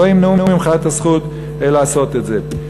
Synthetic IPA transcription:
oimnuumimχat̪hasχut̪ | elaːso̞t̪etze

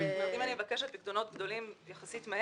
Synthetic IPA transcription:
meimanimevakeʃat̪̚bikd̪ono̞t̪̚ɡd̪o̞limjaχasit̪me

